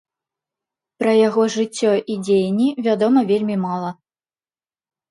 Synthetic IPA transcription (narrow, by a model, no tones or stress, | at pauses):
pɾɐjaɣɔʐɨt͡sʲːɔʔid͡zʲejnʲːivʲad̪ɔmɐvʲelʲmʲimalˠɐ